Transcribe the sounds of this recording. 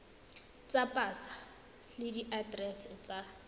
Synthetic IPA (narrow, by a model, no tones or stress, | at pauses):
t͡sʼapʼasḁ | lɪdiʔadrɛsɪt͡sʼa